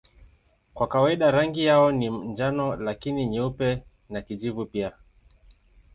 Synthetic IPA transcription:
kwakawaiɗaɾaŋɡijaɔnim̩nd͡ʒanɔlakiniɲɛupɛ | nakid͡ʒivupia

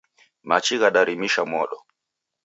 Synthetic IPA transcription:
mat͡ʃiɣaɗaɾimiʃamɔɗɔ

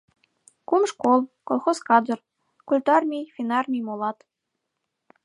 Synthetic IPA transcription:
kumʃkolˠkolˠxoskɑd͡zɤ̆r | kulʲt̪ɑrmʲijfʲinɑrmʲijmolˠɑt̪

